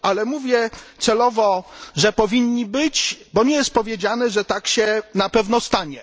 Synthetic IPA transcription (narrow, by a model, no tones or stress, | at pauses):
alɛmuvʲjɛt̪sɛlɔvɔʐɛpɔvʲiɲːibɘt͡ɕbɔɲɛjɛst̪̚pɔvʲjed͡ʑanɛʐɛt̪akɕɛnapɛvnɔst̪aɲɛ